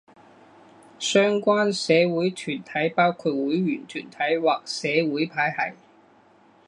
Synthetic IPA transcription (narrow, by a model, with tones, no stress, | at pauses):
sœː˥ŋkʷaː˥nsɛː˨˧wuː˨˥jt̪ʰyː˨˩nt̪ʰɐ˨˥jpaː˥wkʰuː˧t̚wuː˨˥jɥyː˨˩nt̪ʰyː˨˩nt̪ʰɐ˨˥jwaː˨k̚sɛː˨˧wuː˨˥jpʰaː˨˥jhɐ̰˨˩j